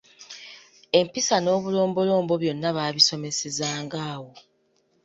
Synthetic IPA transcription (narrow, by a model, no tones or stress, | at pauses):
e̞mpisano̞ːβulo̞ːmbo̞lo̞ːmbo̞βjo̞nːaβaːβiso̞me̞se̞zaːŋɡaːwo̞